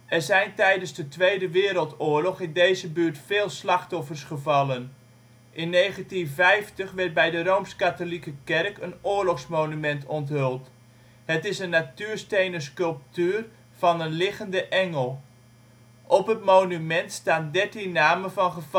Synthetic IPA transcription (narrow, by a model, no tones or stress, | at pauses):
ɛɹzɛjntɛjdənzdətʋejdəʋɪːɾəlˠtʊːɹlɔχɪndejzəbyːɹtfeːlˠslɑχtɔfərsχəvɑlən | ʔɪnːejχəntinvɛjftəχʋɛrt̚bɛjdərowmskatolikəkɛrkənʊːɹlɔχsmownymɛntɔntɦølˠt | hətɪsənːatyːɹstejnəskɵlˠp̚tyːr | v̥ɑnənlɪχəndəʔɛŋəlˠ | ʔɔpɦətmownymɛntstaːndɛɹtinːaːmənvɑnχəv